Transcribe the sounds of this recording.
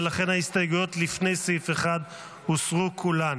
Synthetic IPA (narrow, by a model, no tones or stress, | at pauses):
laχe̞nhaist̪ajɡujo̞tlifne̞jsefeχad̪ | husʁukʰulan